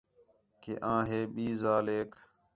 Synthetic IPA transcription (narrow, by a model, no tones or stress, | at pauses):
keːʔãːɦeːɓiːzaːleːk